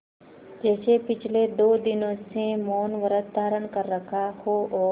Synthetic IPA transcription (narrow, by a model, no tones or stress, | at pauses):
d͡ʒɛːsepɪt͡ʃʰled̪oːd̪ɪnõsemɔːnʋəɾət̪ːaːɾənkəɾːəkʰahoɔː